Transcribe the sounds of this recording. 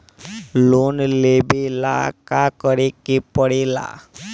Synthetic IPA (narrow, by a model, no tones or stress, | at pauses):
lonlebela̰kakəɾekepəɽela̰